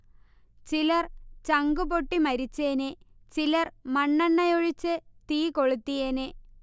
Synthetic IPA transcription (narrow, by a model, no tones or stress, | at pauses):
t͡ɕilɐrt͡ɕɐŋɡupoʈːimɐɾit͡ɕːenet͡ɕilɐrmɐɳːɐɳːɐjoɻit͡ɕːɨt̪iːkoɭut̪ːijene